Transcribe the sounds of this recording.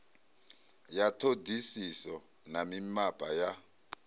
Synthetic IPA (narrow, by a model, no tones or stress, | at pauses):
jatʰodʱisisɔ | namimapʼaja